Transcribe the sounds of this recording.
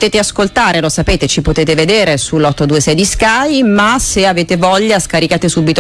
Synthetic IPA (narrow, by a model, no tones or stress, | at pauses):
t̪eːt̪easkolt̪aːɾelosapeːt̪et͡ʃipot̪eːt̪eved̪eːɾesulːɔt̪ːod̪uːesɛd̪iskajmaseaveːt̪evɔʎːaskaɾikaːt̪esuːbit̪o